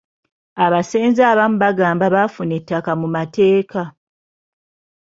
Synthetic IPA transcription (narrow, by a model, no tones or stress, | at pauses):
aβaseːnzaːβamuβaɡaːmbaβafune̞tːakamumate̞ːka